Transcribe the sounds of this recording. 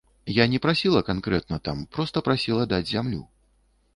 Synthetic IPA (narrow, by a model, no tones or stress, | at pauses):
janʲɛpɾasʲilˠɐkankɾɛt̪̚nɐt̪a̰mpɾɔst̪ɐpɾasʲilˠɐd̪ad͡zʲzʲamlʲṵ